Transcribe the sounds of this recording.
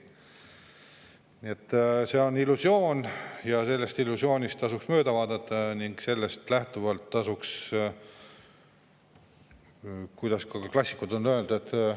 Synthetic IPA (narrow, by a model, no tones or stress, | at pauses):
nie̞t̪ːˑseo̞nilːusjo̞ːnjɑse̞lːe̞st̪ilːusjo̞ːnʲist̪ːɑsuksmø̞ːd̪ɑvɑːd̪̥ɑt̪ːɑniŋɡ̥se̞lːe̞st̪læht̪uvɑlt̪ːɑsuks | kujd̪̥ɑskɑklɑsʲi̥kːud̪̥o̞nːøeld̪̥et̪ːˑ